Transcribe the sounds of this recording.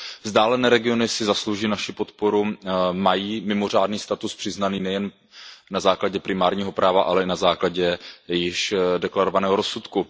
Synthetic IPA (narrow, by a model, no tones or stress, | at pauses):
vzdaːlɛnɛːɾɛɡɪo̞nɪsɪzaslowʒiːnaʃɪpo̞t̪po̞ɾumajiːmɪmo̞r̝aːdniːst̪at̪uspr̥ɪznaniːnɛjɛn | nazaːklaɟɛpɾɪmaːɾɲiːɦo̞pɾaːvaʔalɛɪnazaːklaɟɛjɪʃdɛklaɾovanɛːɦo̞ɾosut̪ku